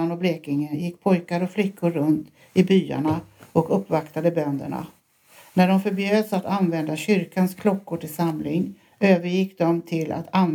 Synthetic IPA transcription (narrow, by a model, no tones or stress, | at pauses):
anɔbleːkɪŋənjɪkːpʰɔjkaɾɔflɪkʰːʊɾːɵnt̪ | ɪbyːa̰ɳaʔɔkɵpːvakt̪ad̪əbœnd̪ə̰ɳa̰ | næɖɔmfœɾbjøːd̪sat̪anvɛnd̪aɕʏɾkanskʰlɔkːʊʈɪlsamlɪŋ | øːvəɾjɪkːd̪ɔmt̪ʰɪla̰t̪an